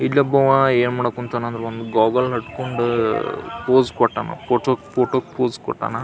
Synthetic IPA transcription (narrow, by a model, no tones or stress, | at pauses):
ilːɐbːɐʋɐeːnmaːɽokunt̪ɐːnɐnd̪ɾeond̪uɡaːɡɐlɦɐʈkoɳɖu | poːskɔʈːa̰ːnɐ̰poːʈokpʰoːʈok̚poːzkɔ̰ʈːa̰ːnɐ